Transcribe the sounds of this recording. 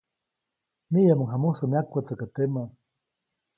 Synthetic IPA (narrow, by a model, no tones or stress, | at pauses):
mijamaŋɦamusamiakʷat͡sakat̪ema